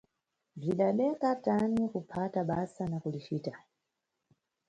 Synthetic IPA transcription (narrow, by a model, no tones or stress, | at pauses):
b͡ʐiɗaɓɛkatanikupʰataɓasanakulit͡ʃiːta